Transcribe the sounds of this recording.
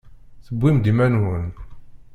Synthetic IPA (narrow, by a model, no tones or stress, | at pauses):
θəbːimd̪imænwən